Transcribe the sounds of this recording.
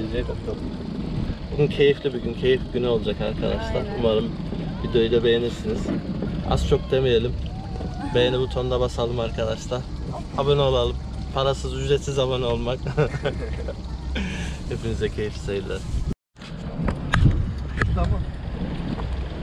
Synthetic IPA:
id͡ʒɛkaaɯ | buɡyncʰe̞jiflʲibuɟyncʰe̞jifɟynyo̞lˠud͡ʒakaɾkʰad̪a̰ʃlˠaumaɾɯm | bid̪øjyd̪abe̞jeniɾsiniz̥a̰z̥t͡ʃʰo̞k̚d̪emijelʲim | bejenibut̪ʰo̞nd̪abasalˠɯmaɾkʰad̪aʃt̪ˠa | abano̞lˠalˠɯm | pʰaɾasɯzyzɾɛt̪sizabano̞lˠmak | hepʰimizd̪ɛcʰe̞jiflʲi̥sajilʲːaɾ | ama

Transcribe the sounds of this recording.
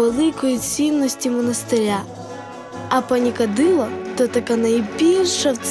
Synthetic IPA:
elˠɪkɔjit͡sʲinːɔsʲtʲimɔnɐst̪ɪɾʲa | ɐpɐnʲikɐd̪ɪlˠɔt̪ɔt̪ɐkanɐjbʲilʲʃɐwt̪s

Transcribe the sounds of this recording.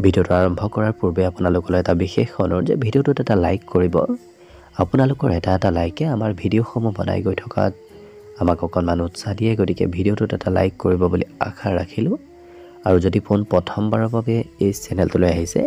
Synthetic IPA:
bʱidiotʊaɹɔmbʱɔkɔɹaɹpuɹbɛapʊnalʊkɔloɛtabixexxɔnɔɹzɛ̰bʱidiotʊtɛtalajkːoɹibɔ̰ | apʊnalʊkɔɹɛtaɛtalajkɛamaɹbʱidioxomubɔ̰na̰jɡojtʰɔ̥ka̰t | amakɔkʰɔnmanutsadijɛɡotikɛ̰bʱidiotʊtɛtala̰jkːoɹibɔbulḭa̰kʰaɹa̰kʰilʊ̃ | aɹuzodiponpɹɔtʰɔmbaɹɔbabɛejsɛnɛltulojaɦisɛ̰

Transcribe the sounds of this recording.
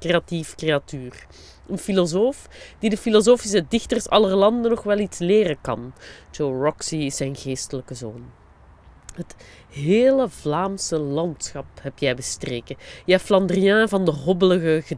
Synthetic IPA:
kreatifkreatyːr | ənfilozoːfd̥idəfilozoːfis̬ədɪxtərsɑlərlɑndənɔxʋɛlˠitsleːɾənkɑ̰nd͡ʒowrɔksiɪsːɛjnɣeːstələkəzoːn | ɦət | ɦeːləvlaːmsəlɑntsxɑphɛpjɛjbəstreːkəjəɛflɑndərijɛ̃ːvɑndəɦɔbələɣəɣə

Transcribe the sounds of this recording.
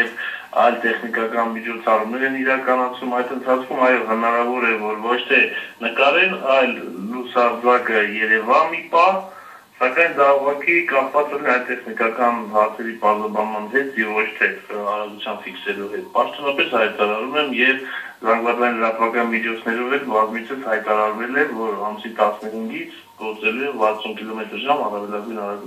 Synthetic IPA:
ɛv | ɑ̰jlt̪ɛχnikɑkɑnmit͡ʃʰɔt͡sʰɑrumnɛɾɛniɾɑkɑnɑt͡sʰvumɑjt̪ənt̪ʰɑt͡sʰkʰumɑjɔɦənɑɾɑvɔɾɛɾvɔɾvɔt͡ʃʰt̪ʰɛnəkɑɾɛnɑjlːusɑɾd͡zɑkəjɛɾɛvɑmipɑh | sɑkɑjnd̪ɑuʁɑkikɑχvɑt͡sɛnɛɑjlt̪ɛχnikɑkɑnɦɑɾt͡sʰɛɾipɑɾzɑbɑnmɑnɦɛt̪ʰjɛvvɔt͡ʃʰt̪ʰɛɑɾɑɡut͡sʰjɑnfiksɛluɦɛt̪̚pɑʃt̪ɔnɑpɛshɑjt̪ɑɾɑɾumɛmjɛv | zɑŋɡvɑd͡zɑjinləɾɑt̪vɑkɑnmid͡ʒʰɔt͡sʰnɛɾɔvɛlbɑzmit͡sʰəshɑjt̪ɑɾɑɾvɛlɛvɔɾɑmusit̪ɑsnəɦiŋɡit͡sʰ | ɡ̥ɔɾt͡sɛluɛvɑɾt͡sʰunkilɔmɛt̪əɾʒɑmɑrɑvɛlɑɡujnɑɾɑɡu

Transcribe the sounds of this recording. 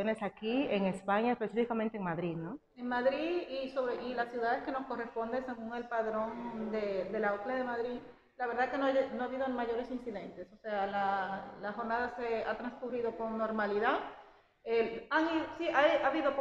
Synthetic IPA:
one̞sakieŋe̞spaɲaespe̞sifikament̪eŋmaðɾiðno | eŋmaðɾiiðisoβɾeilasjuðaðe̞ske̞no̞sko̞re̞spo̞nd̪ese̞ɣuŋe̞lpaðɾo̞nd̪ed̪e̞laokleaðe̞maðɾi | laβe̞ɾðaekenonoaβiðo̞maʝo̞ɾe̞sinsiðe̞nt̪e̞so̞se̞alalaxo̞ɾnaðaseat̪ɾanskuriðo̞ko̞ŋnːo̞ɾmaliðað | eaŋiðsiʔajaβiðo̞

